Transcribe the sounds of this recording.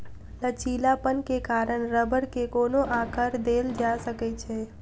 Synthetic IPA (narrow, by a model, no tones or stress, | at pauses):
lət͡ʃiːlapənkekaːɾəɳ̃ɾəbəɽkekoːnoʔaːkəɾd̪eːld͡ʒasəkɛt͡ʃʰe